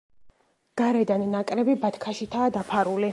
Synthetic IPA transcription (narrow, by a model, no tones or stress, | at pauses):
ɡ̥aɾɛd̪aninakʼɾɛbibat̪ʰkʰaʃit̪ʰaːd̪apʰaɾuli